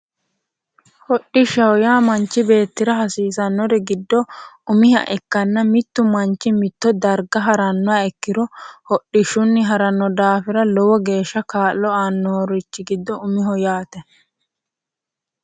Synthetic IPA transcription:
hɔɗːɪʃɐwjaːmɐnt͡ʃːɪbe̞ːt̪ːɪɾɐɦɐsiːsɐnːɔɾɛɡɪd̪ːɔʊmɪhɐ̰ʔɛkːɐnːɐmɪt̪ːʊmɐnt͡ʃːɪmɪt̪ːɔd̪ɐɾɡɐɦɐɾɐnːɔaɛkːɪɾɔhɔɗːɪʃʊnːɪɦɐɾɐnːɔd̪aːfɪɾɐlɔwɔɡe̞ːʃːɐkaːlːɔaːnːɔɔɾɪt͡ʃːɪɡɪd̪ːɔʊmɪɦɔjaːt̪ɛ

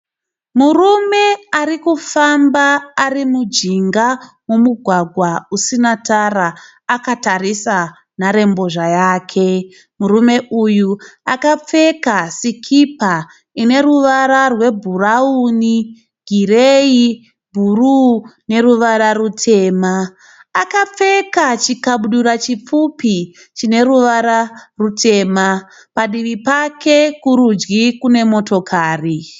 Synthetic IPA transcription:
murume̞arikufambaːrimud͡ʒiŋɡa | womuɡʱwaɡʱwausinatara | akatarisa | naɾe̞mbo̞ʐajaːkʰe̞ | murume̞ʔujuakap͡fe̞kasikʰipa | ine̞ɾuʋaɾarwe̞bʱurauːni | ɡ̥ʱirei | bʱurune̞ruʋaɾarutʰe̞ːmaː | kap͡fe̞kat͡ʃikaɓuɗuɾat͡ʃip͡fupi | t͡ʃine̞ɾuʋaɾarutʰe̞ːma | paɗiʋipakʰe̞kuɾud͡ʒɡikune̞mo̞to̞kʰaːri

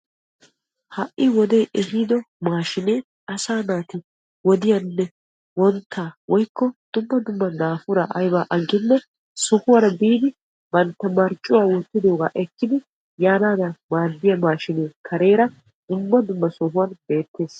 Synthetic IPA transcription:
hɐʔʔɪwɔd̪eːʔɛhiːd̪ɔ | maːʃɪneː | ɐsaːnaːt̪ɪ | wɔd̪ɪjɐnːɛ | wɔnt̪ʰːaːwɔjkːɔd̪̥ʊmːɐd̪ʊmːɐnaːfʊɾɐʔɐjbaːʔɐɡːɪnːɛ | sɔhʊwɐɾɐbiːd̪ɪ | b̥ɐnt̪ːɐmɐɾt͡ʃʼːʊwaːwɔt̪ːɪd̪oːɡaːʔɛkːɪd̪ɪ | jaːnaːd̪ɐmaːd̪ːɪjɐmaːʃɪneːkʰɐɾe̞ːɾɐ | d̪̥ʊmːɐd̪ʊmːɐsɔɦʊwɐnbe̞ːt̪ːe̞ːs

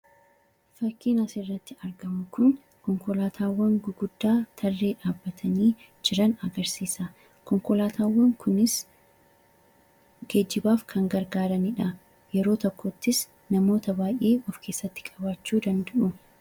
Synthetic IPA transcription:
fɐkːiːnɐsɪrːɐt̪ːɪɐɾɡɐmʊkʊn | kɔŋkɔlaːt̪ʰaːwːɐŋɡʊɡʊd̪ːaːt̪ʰɐrːe̞ːᶑaːbːɐt̪ʰɐniː | d͡ʒɪɾɐnɐɡɐɾsiːsɐ | kɔŋkɔlaːt̪ʰaːwːɐŋkʰʊnɪs | ɡeːd͡ʒːɪbaːfkʰɐŋɡɐɾɡaːɾɐnɪᶑɐ | jɛɾo̞ːt̪ɔkːoːt̪ːɪs | nɐmo̞ːt̪ɐbaːjʔe̞ːwɐfkʰe̞ːsːɐt̪ːɪ̥kʼɐbaːt͡ʃːuːd̪ɐnd̪ɐʔʊ

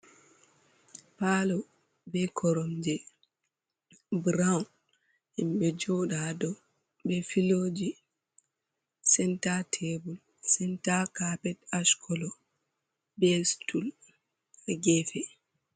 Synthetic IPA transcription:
paːlɔ | bɛkʰɔɾɔmd͡ʒɛ | bɾawn | himɓɛd͡ʒɔɗadɔ | bɛfilod͡ʒi | sɛntatʰɛbul | sɛntakapɛtaʃkʰɔlɔ | bɛstul | ɛɡɛfɛ

